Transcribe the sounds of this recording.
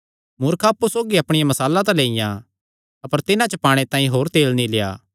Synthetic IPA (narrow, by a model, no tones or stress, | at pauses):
mʊɾkʰaːpːusoːɡiɐpɽ̃ɪjãmɐsaːlːat̪aleːɪjã̰ | ɐpəɾt̪ɪnãt͡ʃəpaːɽ̃et̪ãːĩɦoːɾt̪eːlnĩleja̰ː